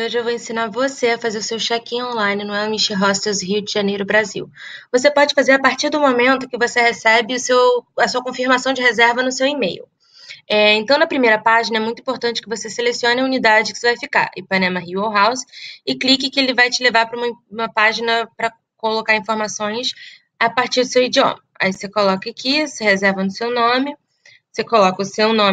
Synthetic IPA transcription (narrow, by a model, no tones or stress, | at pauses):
oʒɪewvoẽsinaɾvoseɐfazeɾʊsewʃɛkĩõlãj̃nɪnɐ̃w̃ɛʊmiʃiɦɔst̪ezɦiʊd͡ʒɪʒanejɾʊbɾazḭwvosepɔd͡ʒɪfazeɾapaɾt͡ʃiɾd̪ʊmomẽnt̪ʊkɪvosehesɛbɪʊsewɐsuɐkõfiɾmasɐ̃w̃d͡ʒɪɦezɛɾvɐnʊsewimejʊ̰ | ɛẽnt̪ɐ̃w̃nɐpɾimejɾɐpaʒinɐɛmũj̃t̪ʊĩpoɾt̪ɐ̃nt͡ʃɪ̥kɪvoseselesiõnɪɐunid̪ad͡ʒɪkɪ̥sevajfika̰ɾɪpɐnẽmɐɦiwoɦawsɪklikɪkɪelɪvajt͡ʃɪlevaɾpɾɐũmɐ̃ũmɐpaʒinɐpɾɐ | kolokaɾĩfoɾmasõj̃s | apaɾt͡ʃiɾd̪ʊsewid͡ʒiõ̰mɐa̰isekolɔkɐakʰisɪhezɛɾvɐnʊsewnõmɪ | sekolɔkɐʊsewnõ